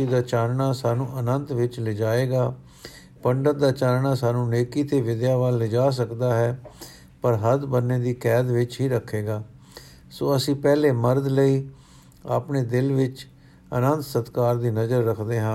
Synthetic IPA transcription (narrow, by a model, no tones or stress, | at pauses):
iːd̪aːt͡ʃaːɾɳaːsaːnũːʔənənt̪ʋɪt͡ʃlɪd͡ʒaːeːɡaː | pəɳɖət̚d̪aːt͡ʃaːɾɳaːsaːnũːneːkiːt̪eːʋɪd̪jaːʋaːlːɪd͡ʒaːs̬əkd̪aːɦɛː | pəɾɦət̪bənːeːd̪iːkɛːd̪ʋɪt͡ʃɦiːɾəkʰːeːɡaː | soːəsĩːpɛːleːməɾd̪ləiː | a̰ːpneːd̪ɪlʋɪt͡ʃ | ə̰nənt̪sət̪kaːɾd̪iːnəzəɾːəkʰd̪eːɦãː